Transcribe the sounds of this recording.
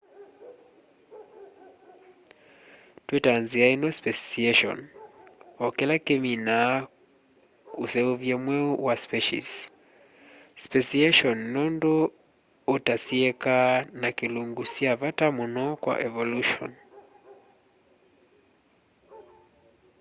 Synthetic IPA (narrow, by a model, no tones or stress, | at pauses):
twetanziainɔspɛsiɛʃɔ̰n | ɔkɛlakemina | usɛuvjɛmwɛwaspɛʃḭs | spɛsiɛʃɔnːɔndoː | tasiɛkanakeluŋɡusjavatamunɔkwa̰ʔɛvɔluʃɔ̰n